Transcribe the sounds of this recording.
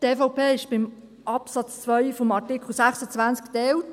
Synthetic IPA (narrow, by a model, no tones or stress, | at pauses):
teːfɔʊpeːɪʃb̥ɪm | ʔɑpsɑt͡st͡sʋœʏfɔmɑɹtɪkʰl̩sæχsət͡sʋænt͡sktɛwt